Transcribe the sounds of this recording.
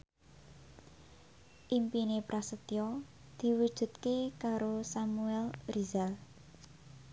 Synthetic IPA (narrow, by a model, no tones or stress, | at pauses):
ʔimpinepɾasət̪ijɔ | d̪̥i̤wud̥ʒ̥ṳt̪̚kekaɾosamuɛlrizal